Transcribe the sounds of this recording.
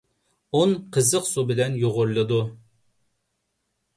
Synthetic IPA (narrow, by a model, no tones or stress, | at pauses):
onqʰəzəqsubɪlɛnjoʁʊɾlˠɨd̪u